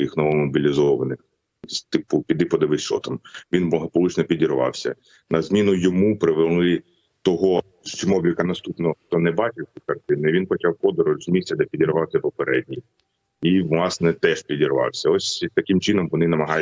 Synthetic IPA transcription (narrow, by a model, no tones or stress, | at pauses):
jixnɔʋɔmɔbʲilʲizɔʋɐnɪx | sʲt̪ɪpʊpʲid̪ɪpɔd̪ɐʋɪʃɔ̰t̪ɔmʋʲinmlˠɐɦɐpɔlˠut͡ʃnɔpʲidʲiɾʋɑ̰wsʲɐ̰ | nɐzmʲinʊjɔmupɾɪʋelˠɪ | t̪ɔɦɔ | ʃt͡ʃɪmɔblʲikɐnɐst̪upnɔxt̪ɔnɛbɑt͡ʃɪwsʲikɐrt̪ɪnʊiʋʲinpɔt͡ʃɑwkɔd̪ɔɾʊzʲmʲisʲtʲɐd̪ɛpʲidʲiɾʋɑwsʲɐpɔpeɾɛd̚ʲnʲij | iʋlˠɑsnɛt̪ɛʃpʲidʲiɾʋɑ̰wsʲɐɔsʲt̪ɐkɪmt͡ʃɪnɔmʋɔnɪnɐmɐɦɑj